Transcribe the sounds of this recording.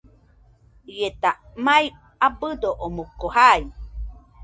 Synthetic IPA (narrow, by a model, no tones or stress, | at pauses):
jet̪a | maj | abɨd̪oʔomukohaj